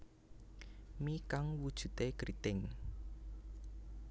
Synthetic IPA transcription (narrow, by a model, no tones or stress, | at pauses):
mikaŋwud̥ʒ̥ṳt̪ekɾit̪ɪŋ